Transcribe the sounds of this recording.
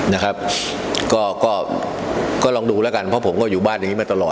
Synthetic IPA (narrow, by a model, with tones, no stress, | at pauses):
na˦˥kʰa˦˥p̚ | kɔː˥˩kɔː˥˩ | kɔː˥˩lɔː˧ŋduː˧lɛː˦˥ka˧npʰɔ˦˥pʰo˩˦mkɔː˥˩juː˨˩baː˥˩nja˨˩ŋiː˦˥maː˧˩t̪a˧lɔː˨˩